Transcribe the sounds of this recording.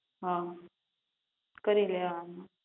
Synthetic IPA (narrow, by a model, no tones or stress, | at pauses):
ɦã | kəɾileaana